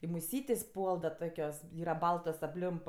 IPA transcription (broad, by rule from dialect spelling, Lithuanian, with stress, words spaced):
ɪ mʊˈsʲiːtʲeːsʲ ˈpuɔlˠ dɐ ˈtoːkʲoːs ˈiːrɐ ˈbɐlˠtoːs ɐpʲˈlʲɪmp